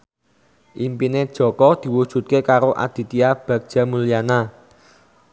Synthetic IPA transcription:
ʔimpined̥ʒ̥ɔ̤kɔd̪̥i̤wud̥ʒ̥ṳt̪̚kekaɾoʔa̰d̪̥i̤t̪iab̥ä̤ɡ̚d̥ʒ̥ä̤mulijana

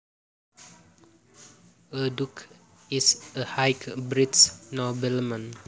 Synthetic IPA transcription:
əduk | isəhajkbɹitsnɔbɛlmə̃n

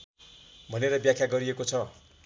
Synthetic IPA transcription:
bʱʌneɾʌbjakʰjaɡʌɾiekot͡sʰʌ

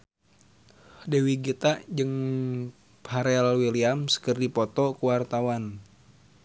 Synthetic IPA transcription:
dewiɡit̪aʔd͡ʒɨŋ | paɾɛlwiliamskərdipɔt̪ɔkuwart̪awan

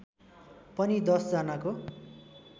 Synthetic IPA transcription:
pʌnid̪ʌsd͡zʌnako

